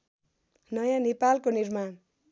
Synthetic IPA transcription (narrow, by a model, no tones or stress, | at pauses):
nʌjãnepalkonirman